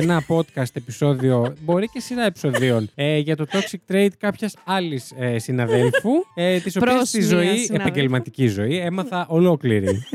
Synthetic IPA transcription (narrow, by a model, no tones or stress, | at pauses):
enɐpo̞t̪kɐst̪episo̞ðio̞bo̞ɾice̞siɾɐepi̥so̞ðio̞nʝɐt̪o̞t̪o̞ksik̚t̪ɾe̞jd̪kɐpçɐsɐlisesinɐðe̞lfuet̪iso̞ɐsizo̞iepɐɲɟe̞lmɐt̪icizo̞ie̞mɐθɐʔo̞lo̞kliɾḭ